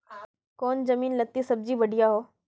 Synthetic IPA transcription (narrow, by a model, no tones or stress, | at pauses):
koːnd͡ʑɐmiːnlɐɡ̚t̪isɐb̚d͡ʑibɐɖʱijaɦoː